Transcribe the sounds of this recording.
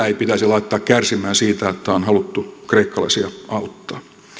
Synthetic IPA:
ipit̪æsilɑit̪ːɑːkkærsimæːnsiːt̪æot̪ːæonhɑlut̪ːukreikːɑlɑ̰isiɑʔɑut̪ːɑ̥ː

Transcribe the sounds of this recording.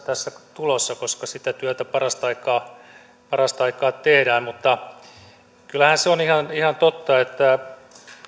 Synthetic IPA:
t̪æsːæt̪ulosːɑkoskɑsit̪æt̪yæt̪æpɑrɑst̪ɑikɑː | pɑrɑst̪ɑikɑːt̪ehdæːmmut̪ːɑ | kylːæhænseonihɑnihɑnt̪ot̪ːɑet̪ːæ

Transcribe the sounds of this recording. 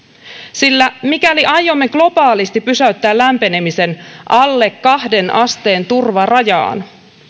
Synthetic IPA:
silːæmikæliʔɑjːo̞mːe̞ɡ̥lo̞b̥ɑːlist̪ipysæyt̪ːæːllæmpe̞ne̞mise̞nʔɑlːe̞kːɑhde̞nʔɑst̪e̞ːnt̪urʋɑrɑjɑ̰ːn

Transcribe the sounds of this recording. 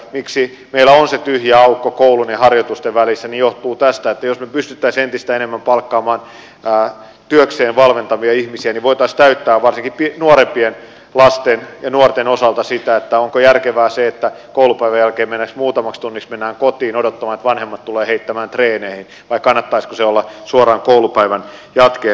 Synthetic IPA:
miksi | meilːˑæonset̪yhjæɑukːokoulunehɑrjot̪ust̪eʋʋælisːænijoht̪uːt̪æst̪æet̪ːæjosmepyst̪yt̪ːæisent̪ist̪æenemːæmpɑlkːɑːmɑːn | æː | t̪yøkseːnʋɑlʋent̪ɑʋiɑihmisiæniʋoit̪ɑist̪æyt̪ːæːʋʋɑrsiŋkipinuoɾempien | lɑst̪enjɑnuort̪enosɑlt̪ɑsit̪æet̪ːæoŋkojærkeʋæːseet̪ːæ | koulupæiʋæjælkeːmenːæksmuːt̪ɑmɑkst̪unːiksmenːæːŋkot̪iːnodot̪ːɑmɑːnet̪ʋɑnhemːɑt̪t̪ulˑeːheit̪ːæmæːnt̪reːneːhin | ʋɑikkɑnːɑt̪ːɑiskuseolːɑsuorɑːŋkoulupæiʋænjɑt̪ke

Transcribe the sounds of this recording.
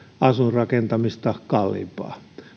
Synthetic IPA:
ɑsurrɑkent̪ɑmist̪ɑkɑlːḭpɑ̰ː

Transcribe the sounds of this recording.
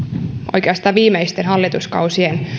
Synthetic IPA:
ʔo̞̰jkeɑst̪ɑːʋiːmejst̪enɦɑlːit̪uskɑ̰wsien

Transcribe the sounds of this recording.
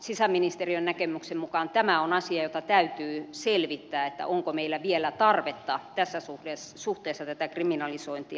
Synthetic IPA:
sisæminist̪eriønnækemyksemmukɑnt̪æmæonɑsiɑjot̪ɑt̪æyt̪yːselʋit̪ːæːet̪ːæ̰ʔoŋkomeilːæʋielæt̪ɑrʋet̪ːɑt̪æsːæsuhesuht̪eːsːɑt̪æt̪ækriminɑlisoint̪iɑ

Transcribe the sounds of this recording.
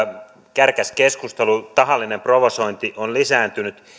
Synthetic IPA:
kærkæskeskust̪elut̪ɑɦɑlːinemproʋosoint̪iʔonlisæːnt̪ynyt̪

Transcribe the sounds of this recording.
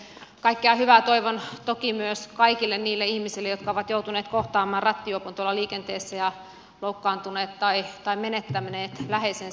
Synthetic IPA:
kɑikːeɑhyʋæt̪oiʋont̪okimyøskɑikilːenniːlːeihmisilːejot̪kɑoʋɑt̪jout̪uneːt̪koht̪ɑːmˑɑːrɑt̪ːiopont̪uolːɑliːkent̪eːsːæjɑ | loukːɑːnt̪uneːt̪t̪ɑit̪ɑimmenet̪ːæmneːt̪læhesen

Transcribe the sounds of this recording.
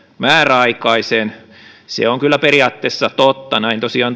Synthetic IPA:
mæːræɑikɑisen | sḛoŋkylːˑæperiɑːt̪ːeːsːɑt̪ot̪ːɑnæint̪osiɑːn

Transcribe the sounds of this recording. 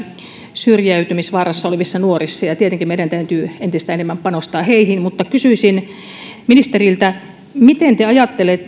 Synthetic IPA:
syrjæyt̪ymisʋɑːrɑsːɑoleʋisːɑnuorisːɑjɑt̪iet̪eŋkimeiɾænt̪æyt̪yːent̪ist̪æenemːæmpɑnost̪ɑːheihinmut̪ːɑkysyisin | minist̪erilt̪æ | mit̪ent̪eɑjɑt̪ːelet̪ː

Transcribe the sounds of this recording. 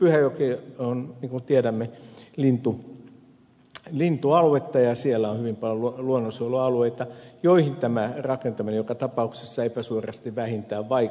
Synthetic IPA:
pyhæjokionniːŋkunt̪ieɾæmːelint̪u | lint̪uɑlwet̪ːɑjɑsielːæõhyʋimpɑljoluluonːosioloɑlueit̪ɑjoihint̪æmærɑkent̪ɑminejokɑt̪ɑpɑuksesːɑepæsuorɑst̪iʋʋæhint̪æːʋʋɑi

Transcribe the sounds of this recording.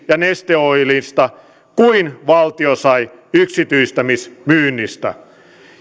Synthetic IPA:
jɑnest̪eoilist̪ɑ | kuinʋɑlt̪iosɑi | yksit̪yist̪æmismyːnːist̪æ̰

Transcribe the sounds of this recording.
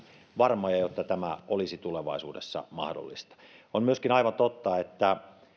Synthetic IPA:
ʋɑrmojɑjot̪ːɑt̪æmæʔolisit̪uleʋɑ̰ˑisṵːdḛsːɑ̰mɑ̰hdo̰lːist̪ɑ̥onmyøskinɑiʋɑnt̪ot̪ːɑet̪ːæ

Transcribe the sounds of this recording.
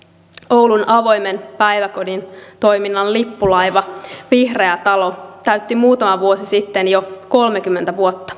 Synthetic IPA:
owlunɑʋo̞jmenpæjʋækodint̪o̞jminːɑllipːulɑjʋɑʋihre̞æt̪ɑlot̪æyt̪ːimuːt̪ɑmɑʋuosisit̪ːenjoko̞lmekymːent̪æʋuot̪ːɑ̥

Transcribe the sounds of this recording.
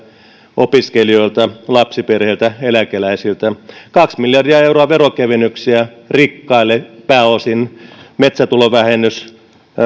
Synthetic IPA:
opiskelioilt̪ɑlɑpsiperheˑilt̪æelækelæisilt̪ækɑksmiljɑrdiɑeuɾoɑʋerokeʋenːˑyksiæ | rikːɑilːepæːosinmet̪sæt̪uloʋæhenːˑys

